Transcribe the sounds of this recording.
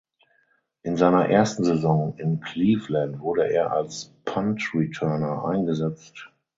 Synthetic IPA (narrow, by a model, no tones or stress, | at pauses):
ʔɪnzaɪnɐʔeɐstn̩zezɔ̃ŋɪnkʰliːflãntv̥ʊɐɾəʔeːɐʔa̰lspʰãntɹitʰɜɐnɐʔa̰ɪ̃nɡəzɛt͡st